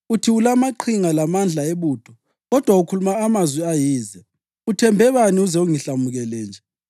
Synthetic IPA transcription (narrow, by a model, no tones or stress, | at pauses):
utʰiulamaǃʰiŋalamand͡ɮʱaeβuːd̥ʰʱʼɔ | ɣɔd̥ʱwaukʰulumaːmazwiajiːzɛ | utʰɛmbʱɛβaniuzɛuŋiɬamuɣɛlɛːnd͡ʒʱɛ